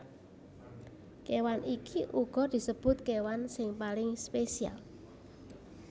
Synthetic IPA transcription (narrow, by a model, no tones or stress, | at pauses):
kewanikiʔuɡ̥ɔ̤d̪̥i̤səb̥ʊ̤t̪̚kewansɪŋpalɪŋspesia̰l